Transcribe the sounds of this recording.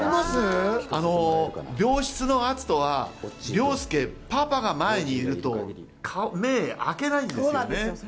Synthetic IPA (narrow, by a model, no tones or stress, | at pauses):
aano̞bʲo̞ːɕi̥t͡sɨno̞at͡sɨ̥t̪o̞βabʲo̞ːsɨ̥ke̞papaɡamae̞ɲ̟iːɾɯ̟t̪o̞ | kʰame̞ːa̰ke̞naĩnd̪ene